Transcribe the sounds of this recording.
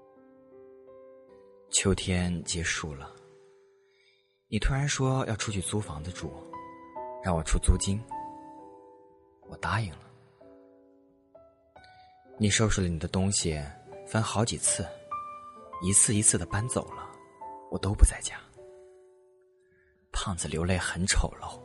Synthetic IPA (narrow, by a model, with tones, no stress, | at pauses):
t͡ɕʰjo˧˥ʊt̪ʰjɛ˥nt͡ɕjɛ˧˥ʂu˥˩lə˩ | ni˨˩t̪ʰu˥ɻa˧˥nʂwɔ˥jʔɑ̰˥˧ʊʈ͡ʂʰu˥t͡ɕʰy˥˩t͡su˥fɑ˧˥ŋdə˧ʈ͡ʂṵ˨˩ | ɻɑ˥˩ŋwɔ˨˩ʈ͡ʂʰu˥t͡su˥t͡ɕi˥n | wɔ˨˩t̪a˧˥i˨˩ŋlə˦ | ni˨˩ʂo˥˧ʊʂu˥˩lə˧ni˨˩d̪ə˦t̪ʊ˥ŋɕi˨fa˥nxɑ˧˥ʊt͡ɕi˨˩t͡sʰɹ̩˥˩ | i˧˥t͡sʰɹ̩˥˩i˧˥t͡sʰɹ̩˥˩d̪ə˩pa˥nt͡so̰˨˩ʊlə˦wɔ˨˩t̪o˥ʊpu˧˥t͡sa˥˩ɪt͡ɕja˥ | pʰɑ˥˩ŋt͡sɹ̩˨˩ljo˧˥ʊle˥˩ɪxə˧˥nʈ͡ʂʰo˨˩ʊlo˥˩